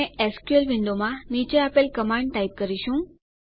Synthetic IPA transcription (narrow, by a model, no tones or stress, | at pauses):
ẽeskuelʋĩɳɖomãmit͡ɕeapelkəmãɳɖʈaip̚kəɾiɕũ